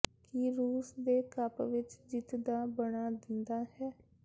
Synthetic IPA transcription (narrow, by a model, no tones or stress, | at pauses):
kiɾuːsd̪eːkəpʋɪt͡ʃd͡ʒɪt̪d̪aːbəɽaːd̪ɪnd̪aːɦɛː